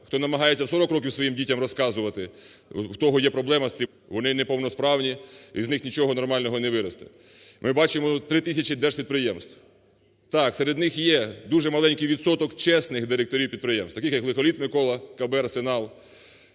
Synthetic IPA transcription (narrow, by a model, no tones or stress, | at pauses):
xt̪ɔnɐmɐɦɑjet͡sʲːɐsɔɾɔkɾɔkʲiwsʋɔjimdʲitʲɐmrɔskɑzʊʋɐt̪ɪwt̪ɔɦɔjɛpɾɔblˠɛmɐssʲi | ʋɔnɪnɛpɔwnɔspɾɑwnʲiiznɪxnʲit͡ʃɔɦɔnɔrmɑlʲnɔɦɔneʋɪɾɐst̪ɪ̥̰ | mɪbɑt͡ʃɪmɔt̪ɾɪt̪ɪsʲɐt͡ʃid̪ɛʃpʲid̪̚pɾɪjɛmst̪w | t̪ɑkseɾed̪nɪxjɛd̪uʒɛmɐlˠɛnʲkɪjʋʲid̪sɔt̪ɔkt͡ʃɛsnɪxd̪ɪɾek̚t̪ɔɾʲiwpʲid̪̚pɾɪjɛmst̪ɐkɪxjɐklˠɪkɔlʲit̪mɪkɔlˠɐkɐbɛrsenɑlˠ